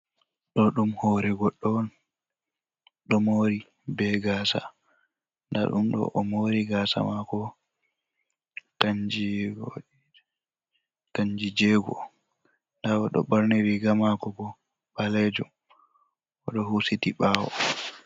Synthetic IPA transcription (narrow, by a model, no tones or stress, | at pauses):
ɗɔɗumhɔɾɛɡɔɗːɔn | ɗɔmoɾi | bɛɡaːsa̰ | nda̰ɗumɗɔ̰ʔɔmoɾiɡaːsa̰makɔ | taɲd͡ʒiɡoi | taɲd͡ʒid͡ʒɛɡɔ̰ | ndawɔɗɔ̰ɓaɾniɾiɡamakɔɡɔ | ɓalɛd͡ʒɔ | ʔɔɗɔhusitiɓawɔ̰